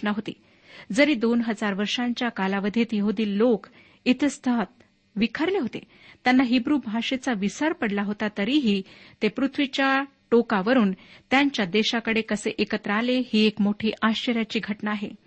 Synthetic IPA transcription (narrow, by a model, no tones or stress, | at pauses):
naɦot̪ḭ | d͡zəɾiːd̪onɦəd͡zaɾʋəɾʂãɲt͡ɕjakalaʋəd̪ʱit̪jəɦud̪iːllːok | it̪əst̪ʰəɦt̪̚ | ʋikʰəɾleɦot̪ḛ | t̪janːaɦibɾuːbʱaʂet͡saʋisəɾpəɽlaɦot̪at̪əɾiɦiːt̪epɾut̪ʰʋit͡ɕjaʈokaʋəɾuːnt̪jaɲt͡ɕjad̪eɕakəɽekəseʔekət̪ɾaːlehiekmoʈʰiːʔaɕt͡ɕəɾjat͡ɕiːɡʱəʈnaːɦḛ